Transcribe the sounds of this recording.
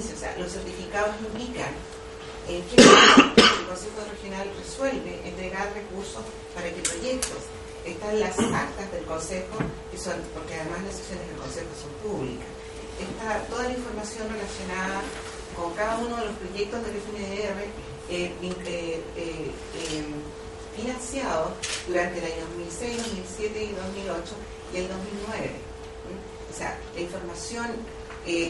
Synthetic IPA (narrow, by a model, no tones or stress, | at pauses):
seosḛa̰losːeɾt̪ifikaðosnoind̪ikan | enke | elkonsexorexjo̞nalreswelbeʔent̪ɾeɣaɾre̞kuɾso̞s | paɾakepɾo̞ʝe̞k̚t̪os | est̪anlasak̚t̪azðe̞lko̞nsexokesonpoɾkeaðemaslaseksjo̞nezðelko̞nsexoso̞mpuβlḭkas | eht̪at̪o̞ðalaiɱfo̞ɾmasjo̞nrelasjo̞naða | koŋkaðaunoðelospɾoʝek̚t̪ozðerefineðeere | eiee | e | finansjaðoðuɾant̪eːlaɲoðozmilsejzðozmilsjet̪eiðosmilot͡ʃo | ield̪ozmilnweβḛ | osea̰ | laiɱfoɾmasjon | e